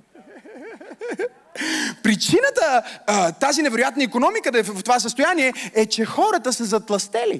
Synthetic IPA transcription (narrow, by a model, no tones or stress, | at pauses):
pɾit͡ʃinət̪ət̪azinɛvɛɾʊjat̪nəikonɔmikəd̪ft̪ovas̬əst̪ojaniɛɛt͡ʃɛxɔɾət̪əsɐzɐt̪lˠɐst̪ɛlḭ